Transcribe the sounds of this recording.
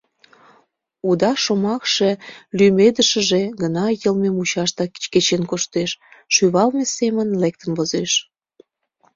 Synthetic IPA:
ud̪ɑʃomɑkʃe̽lymed̪əʃə̆ʒeɣənɑjəlmemut͡ɕɑʃt̪ɑki̥t͡ɕket͡ɕenkoʃt̪eʃːyβɑlmesemənlek̚t̪ənβozeʃ

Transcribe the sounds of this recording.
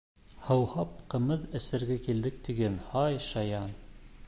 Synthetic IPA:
hɤ̆whɑp̚qɤ̆mɘðɘ̆sɘ̆ɾɡækild̪ɘk̚t̪iɡænhɑjʃɑjɑn

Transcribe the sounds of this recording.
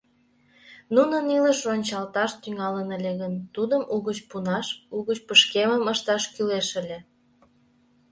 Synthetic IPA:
nunəniləʃonʲt͡ɕɑlt̪ɑʃt̪yŋɑlənəlʲeɣənt̪ud̪əmʔuɣət͡ɕpunɑʃuɣət͡ɕpəʃkeməməʃt̪ɑʃkyleʃəlʲe

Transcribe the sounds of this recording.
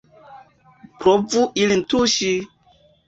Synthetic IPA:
pɾovuʔilintuʃi

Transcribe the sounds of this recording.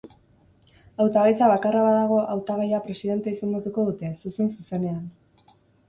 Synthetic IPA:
awt̪aɣajt͡saβ̞akaraβaðaɣ̞o̞ʔawt̪aɣajapɾe̞siðe̞nt̪eiseŋɡot̪uko̞ðut̪e̞susensuse̞ne̞an

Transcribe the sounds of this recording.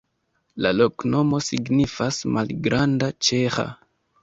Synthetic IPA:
lalokno̞mo̞siɡnifasmalɡɾandat͡ʃexa̰

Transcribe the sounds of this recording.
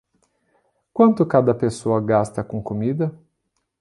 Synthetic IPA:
kwɐ̃nt̪ʊkad̪ɐpesoɐɡast̪ɐkõkomid̪ɐ

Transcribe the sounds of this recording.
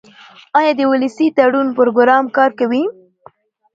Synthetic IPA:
ɑjɑd̪əwʊləsit̪aɽunpʊɾoɡʊɾɑmkɑɾkawi

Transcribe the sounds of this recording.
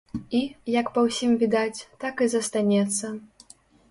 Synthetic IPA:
ijɐkpɐwsʲimvʲid̪at͡sʲt̪akizɐst̪anʲɛt̪sːɐ

